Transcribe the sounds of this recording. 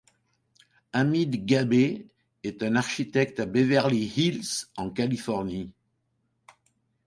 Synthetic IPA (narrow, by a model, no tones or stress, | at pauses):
amid̪ɡabe | ɛt̪ɛ̃naʁʃit̪ɛk̚t̪abevɛʁlihilsɑ̃kalifɔʁni